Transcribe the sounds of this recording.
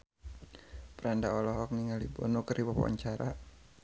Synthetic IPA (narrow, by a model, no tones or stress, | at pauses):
pəɾandaɔlɔɦɔk̚niŋalibɔ̰nokəriwapa̰wa̰ɲt͡ʃaɾa